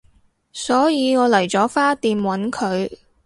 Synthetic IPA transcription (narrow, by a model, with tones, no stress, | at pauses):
sɔː˨˥jiː˨˧ŋɔː˨˧lɐ˨˩jt͡sɔː˨˥faː˥t̪iː˨mwɐ˨˥nkʰɵ˨˧ɥ